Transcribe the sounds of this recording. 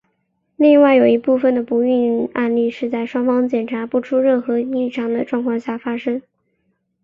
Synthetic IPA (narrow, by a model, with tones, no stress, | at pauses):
li˥˧ŋwa˥˩ɪjo˨˩ʊi˧˥pu˥˩fə˩nd̪ə˩pu˧˥y˥˧na̰˥˧nli˥˧ʂɻ̩˥˧t͡sa˥˩ɪʂwɑ˥ŋfɑ˥ŋt͡ɕjɛ˨˩nʈ͡ʂʰa˧˥pu˥˩ʈ͡ʂʰu˥ɻə˥˩nxɤ˧˥i˥˩ʈ͡ʂʰɑ˥ŋd̪ə˨ʈ͡ʂwɑ˥˧ŋkʰwɑ˥˧ŋɕja˥˩fa˥ʂɤ˥ŋ